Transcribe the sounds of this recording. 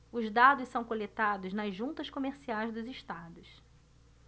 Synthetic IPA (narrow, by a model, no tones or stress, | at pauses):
ʊzd̪ad̪ʊssɐ̃w̃kolet̪ad̪ʊznɐzʒũnt̪ɐʃkomeɾsiajzd̪ʊziʃt̪ad̪ʊs